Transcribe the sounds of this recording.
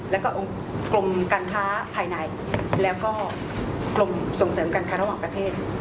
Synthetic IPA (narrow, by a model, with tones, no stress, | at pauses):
lɛː˦˥wkɔː˥˩ʔo˧ŋ | klo˧mkaː˧nkʰaː˦˥pʰaː˧jna˧j | lɛː˦˥wkɔː˥˩ | klo˧mso˨˩ŋsɤː˩˦mkaː˧nkʰaː˦˥ɾa˧waː˨˩ŋpɾa˧t̪ʰeː˥˩t̪̚